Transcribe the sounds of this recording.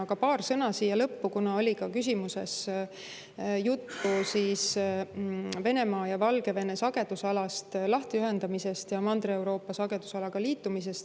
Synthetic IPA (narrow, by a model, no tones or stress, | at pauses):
ɑɡ̥ɑpɑːrsɤ̞nɑsiːjɑlɤpːukunɑo̞lʲikɑkys̬ʲimuse̞̰s | jut̪ːusiːs | ve̞ne̞mɑːjɑvɑlɡ̥e̞ve̞ne̞sɑɡ̥e̞d̪̥usɑlɑst̪lɑht̪yɦe̞nd̪̥ɑmise̞st̪jɑmɑnd̪ree̞wɾo̞ːpːˑɑsɑɡe̞d̪̥usɑlɑɡ̥ɑliːt̪ˑːumis̬e̞st̪